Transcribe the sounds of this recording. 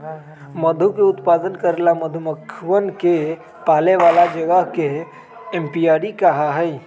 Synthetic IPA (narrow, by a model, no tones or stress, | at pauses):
məd̪ʱukeʊt̪pad̪ənkəɾelaməd̪ʱuməkʰʋənke | paːleʋalad͡ʒəɡəɦkeː | mpijaɾikaɦaɦəi